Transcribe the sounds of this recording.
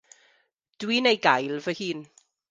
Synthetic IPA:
d̥wiːnejɡajlˠvəhɨːn

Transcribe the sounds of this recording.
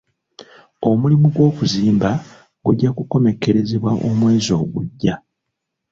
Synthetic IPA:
o̞mulimuɡwo̞ːkuziːmba | ɡ̥uɟːakuko̞me̞ke̞ɾe̞ze̞βwaʔomwe̞ːzo̞ːɡuɟːa

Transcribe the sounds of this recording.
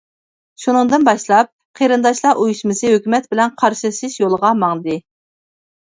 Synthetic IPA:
ʃunɨŋd̪ɨnbɑʃlˠɑp̚ | qʰeɾɨnd̪ɑʃlˠɑʔujuʃmɨsɨɦøkʲymɛt̪bɪlɛnqʰɑɾʃisɨʃjolˠəʁɑmɑŋɨd̪ɨ

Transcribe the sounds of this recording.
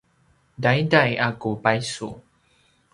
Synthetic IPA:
dajdajakupajsṵ

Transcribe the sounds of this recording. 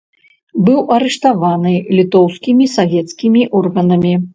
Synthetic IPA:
bɨwɐɾɛʂt̪avanɨlʲit̪ɔwskʲimʲisavʲɛt̪skʲimʲiʔɔrɣɐnɐmʲi

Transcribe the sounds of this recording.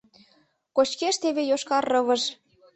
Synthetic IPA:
kot͡ɕkeʃt̪eβejoʃkɑrːɤβə̆ʃ

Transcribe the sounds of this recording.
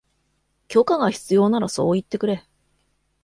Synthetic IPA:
kʲo̞kaɡaçi̥t͡sɨjo̞ːnaɾaso̞ːit̪ːe̞kɯ̟ɾe̞

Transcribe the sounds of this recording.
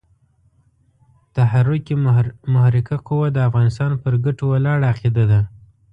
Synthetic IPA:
t̪ahaɾʊkimʊhɾɪkaquwad̪əafɣɑnɪst̪ɑnpəɾɡaʈowalɑɽaaqed̪ad̪a

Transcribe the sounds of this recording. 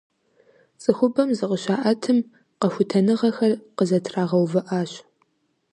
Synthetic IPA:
sʼɨxʷʊbɐmzɨqəɕaːʔɐtʰɨm | qɐxʷʊtʰɐnɨʁɐxɐrqəzɐtʰraːʁɐwvɨʔaːɕ

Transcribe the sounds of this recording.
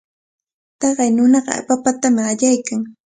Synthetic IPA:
t̪ɑɢɑjnʊnɑɢɑ̰a̰papat̪amɪɢaʎajkaŋ

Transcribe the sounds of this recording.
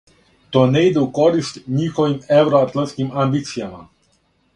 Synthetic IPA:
t̪oːnɛid̪ɛukoɾist̪ɲiːxɔʋimɛwɾɔat̪lantskimambit̪sijama̰

